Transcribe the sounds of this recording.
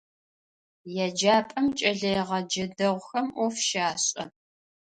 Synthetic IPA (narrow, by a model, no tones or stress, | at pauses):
jɛd͡ʒaːpʼɐmt͡ʃʼɐɮɐjʁɐd͡ʒɐdɐʁʷxɐmʔɔfʃaːɕʼɐ